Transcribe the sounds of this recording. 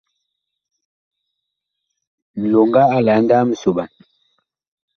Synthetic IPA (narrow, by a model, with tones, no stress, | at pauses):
n̩˨lo˨ŋɡa˦a˦la˨˦n˦da˦m̩˨so˨ɓa˨n